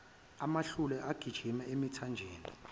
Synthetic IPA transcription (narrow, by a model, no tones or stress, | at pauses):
amaɬulɛʔaɡ̥ʱid̥ʒ̥ʱimaemitʰand͡ʒʱeːni